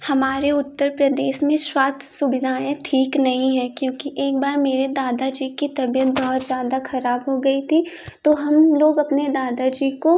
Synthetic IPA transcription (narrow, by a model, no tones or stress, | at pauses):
hɐmaːɾeʊt̪ːəɾpɾɐd̪eːʃmẽʃwaːst̪ʰsʊbɪd̪ʱaːẽʈʰiːknɐɦĩɦɛ̃kjõːkiʔeːk̚baːɾmeːɾed̪aːd̪ad͡ʒiːkit̪ɐbijət̪̚bɐɦʊt̪zjaːd̪axɐɾaːbɦoɡɐit̪ʰi | t̪oɦɐmloːɡɐpned̪aːd̪ad͡ʒiːko